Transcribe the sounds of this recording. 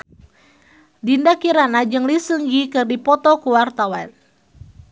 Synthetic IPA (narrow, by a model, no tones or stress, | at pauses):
dindakiɾanad͡ʒɨŋlisɨŋɡikɨrdipɔt̪ɔkuwart̪awan